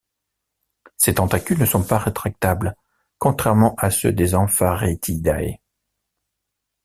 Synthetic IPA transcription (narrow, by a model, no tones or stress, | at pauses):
set̪ɑ̃t̪akʲynəsɔ̃paʁet̪χak̚t̪abl | kɔ̃t̪χɛʁmɑ̃ʔasø̰d̪ezɑ̃faʁet̪ʰid̪aḛ